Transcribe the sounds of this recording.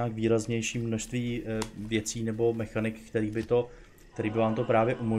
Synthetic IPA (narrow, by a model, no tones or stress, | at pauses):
akviːɾazɲɛjʃiːmno̞ʃst̪viːvjɛt͡siːnɛbo̞mɛxanɪkkt̪ɛɾiːbɪt̪o̞ | k̚t̪ɛɾiːbɪvaːmt̪o̞pɾaːvjɛʔumo